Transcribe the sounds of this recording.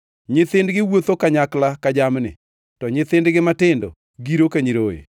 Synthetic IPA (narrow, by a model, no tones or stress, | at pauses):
ɲɪθɪndɡɪwot̪okaɲaklakad͡ʒamnɪ̰ | tɔɲɪt̪ɪndɡɪmatɪndɔ̰ | ɡiɾokaɲiɾoḛ